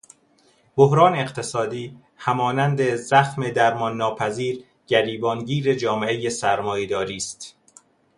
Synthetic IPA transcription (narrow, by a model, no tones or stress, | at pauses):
boɦɾɒːneːqt̪ʰe̞sɒːd̪iː | hæmɒːnænd̪e̞zæxme̞d̪æɾmɒnːɒːpʰæziːɾ | ɟæɾiːbɒːnɟiːɾe̞d͡ʒɒːmeʔejesæɾmɒːjed̪ɒːɾiːst̪